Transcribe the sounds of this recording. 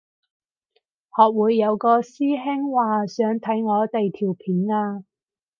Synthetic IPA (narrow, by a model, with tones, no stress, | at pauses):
hɔː˨k̚wuː˨˧jːɐ˨˧wkɔː˧siː˥ɦɪ˥ŋwaː˨sœː˨˥ŋt̪ʰɐ˨˥jŋɔː˨˧t̪e˨jt̪ʰiː˨˩wpʰiː˨˥naː˧